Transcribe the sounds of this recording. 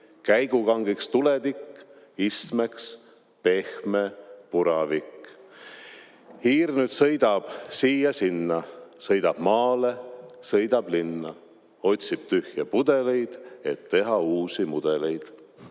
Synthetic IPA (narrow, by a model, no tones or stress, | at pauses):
kæjɡ̥ukɑŋɡikst̪uled̪ikː | ist̪meks | pe̞hmepuɾɑvikː | hiːrnyt̪sɤ̞jd̪̥ɑb̥siːjɑsinːɑsɤjd̪̥ɑb̥mɑːlesɤjd̪̥ɑb̥linːɑ | o̞t̪ʲsib̥t̪yhjɑpud̪e̞le̞jd̪̥e̞t̪ːe̞ɦɑuːsimud̪̥e̞le̞jd̪̥